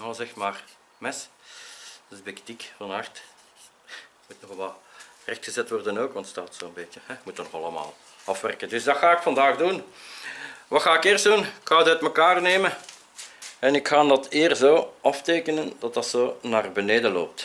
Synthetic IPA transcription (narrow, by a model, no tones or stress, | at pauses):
zɛxtmaːr | mɛs | bektikfɑnɦɑrt | mutnɔxʋɛlˠrɛxtxəzɛtʋɔrdənoːkʋɑntstaːtsoːənbeːtjəhɛmutənɔxɑlˠəma̰ːlˠ | ɑfʋɛ̰rkəndʏsdɑxaːɪkfɑndaːɣdun | ʋɑxaːɪkeːrsdunɪkxaːətœtməkaːrneːmə | ɛnɪkxaːndɑteːrzoːɑfteːkənəndɑt̚dɑtsoːnaːrbəneːdəlo̰ːp̚t